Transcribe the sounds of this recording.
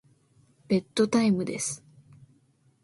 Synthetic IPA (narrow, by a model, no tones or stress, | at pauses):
b̥e̞t̪ːo̞t̪aimɯ̟d̪e̞sɨ̥